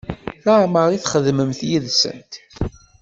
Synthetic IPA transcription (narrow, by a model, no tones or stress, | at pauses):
θaʕməɾˤiθχəðməmθjiðsə̰nt̪